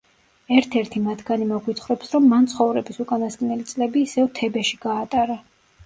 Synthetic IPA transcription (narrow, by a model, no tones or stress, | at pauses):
ɛɾt̪ʰɛɾt̪ʰimat̪ʰɡanimɔɡwit̪ʰχɾɔpsɾɔmːant̪sʰχɔvɾɛbisukʼanast̪ʼnɛlit̪sʼlɛbiːsɛvt̪ʰɛbɛʃiɡaːt̪ʼaɾa